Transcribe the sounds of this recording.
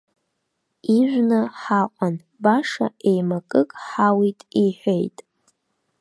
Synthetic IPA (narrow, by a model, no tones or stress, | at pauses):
iʒʷᶣnɨħaqʷʼan | baʂa̰e̞jmakʼɨkʼħawitʼiħʷᶣejtʼ